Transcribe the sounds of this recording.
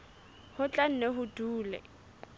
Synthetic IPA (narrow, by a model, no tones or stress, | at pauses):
hʊt͡ɬʼan̩nɛɦʊduːlɛ̰